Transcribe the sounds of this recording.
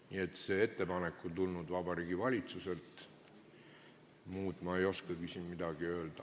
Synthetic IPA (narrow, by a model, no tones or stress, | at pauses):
nie̞t̪ːse̞e̞t̪ːe̞pɑne̞kːˑont̪ulnud̪vɑbɑɾiːɡ̥ivɑlʲit̪suse̞lt̪ˑ | muːd̪̥mɑejo̞skɑɡ̥ysʲinmid̪ɑɡ̥iø̞ːld̪̥ɑ